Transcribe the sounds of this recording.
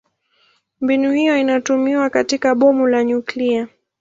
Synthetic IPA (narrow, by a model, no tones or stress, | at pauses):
mbinuhijɔinatumiwakatikaɓɔmulaɲuklia